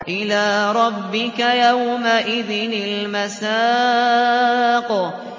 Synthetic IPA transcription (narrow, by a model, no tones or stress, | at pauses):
ʔɪlaːɾˤɑbːɪkajawmaʔɪðɪnɪlmasaː | q